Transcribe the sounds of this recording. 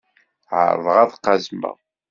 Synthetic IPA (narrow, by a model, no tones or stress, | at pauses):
ʕə̰ɾ̰ˤðˤʁɑðˤqːɑzmə̰ʁ